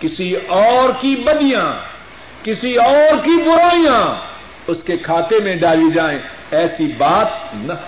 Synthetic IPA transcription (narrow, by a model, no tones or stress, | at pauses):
kɪsiɔːɾkibɐd̪ijãː | kɪsiɔːɾkibʊɾaːijã | ʊskekʰaːt̪emẽɖaːlid͡ʒaːẽː | ɛːsibaːt̪nɐ